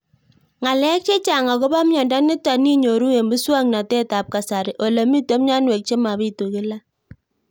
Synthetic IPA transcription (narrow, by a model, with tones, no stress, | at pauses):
ŋa˨lɛ˦k̚t͡ʃe˦t͡ʃa˨ŋa˨ko˦ba˦mɲɔ˨nda˦nɪ˦ta˨ni˦ɲo˨ɾu˦e˨mbi˦swa˦ŋna˨tɛ˦ta˨p̚ka˨sa˨ɾɪ˨ʔo˨le˨mi˦to˦m˦ɲa˦nwe˨k̚t͡ʃe˦ma˨βi˦tu˨kɪ˦la˦